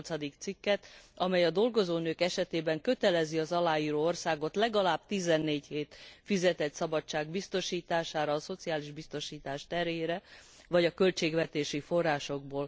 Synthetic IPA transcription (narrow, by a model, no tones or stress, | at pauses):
lt̪sɒd̪ikt̪sikːɛt̪ɒmɛjɒd̪o̞lɡo̞zoːnøːkɛʃɛt̪eːbɛŋkø̞t̪ɛlɛziɒzɒlaːjiːɾoːo̞rsaːɡo̞t̪lɛɡɒlaːb̚t̪izɛnːeːɟheːt̪fizɛt̪ɛt̪sɒbɒt͡ʃːaːɡbist̪o̞ʃiːt̪aːʃaːɾɒːso̞t̪siaːliʒbist̪o̞ʃiːt̪aːʃt̪ɛɾjeːɾɛ | vɒɟɒkø̞lt͡ʃeːɡvɛt̪eːʃifo̞rːaːʃo̞ɡ̚boːl